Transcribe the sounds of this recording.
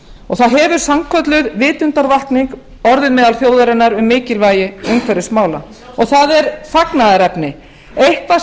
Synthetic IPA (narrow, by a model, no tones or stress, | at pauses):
ɔɣθaðɦɛːvʏɾ̥samkʰœt̪lʏðvɪːt̪ʏnt̪aɾvalt̪niŋk | ɔɾðɪðmɛːðalθjoːwðʏɾɛnaɾʏmːɪːcɪlvaːjɪʏmkʰvɛɾɪsmaːwla̰ | ɔɣθaðɛɾfaknaðaɾɛpnɪ | ejhkva